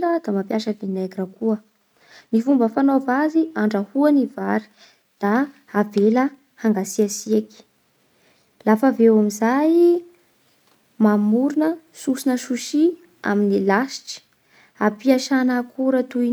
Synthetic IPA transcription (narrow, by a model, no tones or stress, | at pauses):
ləd̪amapjaʃəvenaɡɾakuə | nifumbəfanovaziaɳɖ͡ʐəhuənivaɾi̥ | d̪̥aː | velə | haŋɡasiasiaki̥ | lafavewamizaj | mamuɾunə | susinəʃuʃi | a̰minilaʃi̥ʈ͡ʂi̥ | apiaʃanakʰuɾət̪u